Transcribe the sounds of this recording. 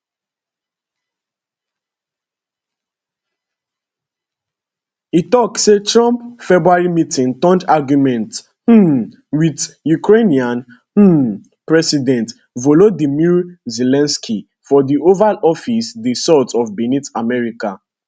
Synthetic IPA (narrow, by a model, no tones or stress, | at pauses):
itɔk̚setɹɔ̃mpfɛbɹuaɹimitĩŋtɔ̃ndaɡjumɛ̃nt | h̩ | widjukʰɹeniãn | h̩ | pɹɛsidɛ̃nt | vɔlodimiɹzelɛ̃nskʰi | fɔdiovalɔfisdesɔtʰɔvbɛnitamɛɹika